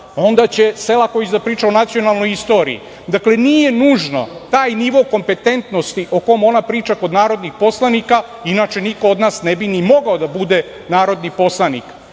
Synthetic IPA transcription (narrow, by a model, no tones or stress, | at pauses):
o̞nd̪at͡ɕe̞selakojit͡ɕed̪apɾiːt͡ʃaonat̪sio̞nalˠno̞jist̪o̞ːɾḭḭ | d̪akle̞nije̞nuːʒno̞̰t̪aːjniʋo̞ko̞mpe̞t̪e̞nt̪no̞st̪iʔo̞ko̞mo̞napɾiːt͡ʃako̞d̪naːɾo̞d̪nixpo̞slˠanika | inat͡ʃe̞nikood̪naːsnebinimo̞ɡaod̪abud̪e̞ | naːɾo̞d̪nipo̞slˠanḭk